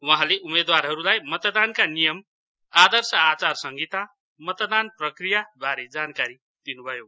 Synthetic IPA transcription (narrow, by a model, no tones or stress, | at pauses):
waɦãleʔumed̪warɦʌɾulajmʌt̪d̪ankanijʌm | ad̪ʌrsʌat͡sarsʌŋɡit̪a | mʌt̪d̪anprʌkrijabʱaɾed͡zankaɾi | d̪̥inubʱʌjo